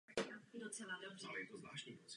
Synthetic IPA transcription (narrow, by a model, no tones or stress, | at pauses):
adot͡sɛladobralɛjɛt̪ozlaːʃɲiːpot͡s